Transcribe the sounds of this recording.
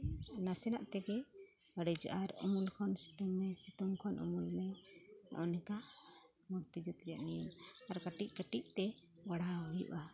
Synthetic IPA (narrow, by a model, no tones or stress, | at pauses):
nasɛnaʔt̪ɛɡɛ | əɽid͡ʒɔʔaɾɔ̰mulkʰɔnsi̥t̪ɔŋːɛsit̪ɔŋkʰɔnʔṵmulmɛnʔɔnɛka | muɾt̪id͡ʒɔt̪iɾijaʔninaɾkəʈiʔ̚kəʈiʔ̚t̪ɛ | baɽaɔjṵʔa